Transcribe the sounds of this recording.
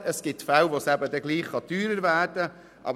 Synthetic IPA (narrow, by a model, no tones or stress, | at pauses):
əsɡ̥ɪtfæwʋosæbəd̪ɛɡliːχχɑtyːɾəɾvæːɾd̥ə | ʔɑ̰b